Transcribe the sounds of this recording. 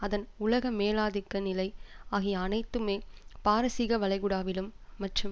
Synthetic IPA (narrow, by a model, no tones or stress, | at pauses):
ɐðɐnʊlɐɣɐmeːlaːðɪkːɐnɪlɐɪaːɣɪjɐɐnɐɪt̪ːɯmeːpaːɾɐsɪɣɐʋɐɭɐɪɣɯɽaːʋɪlɯmːɐʈrɯm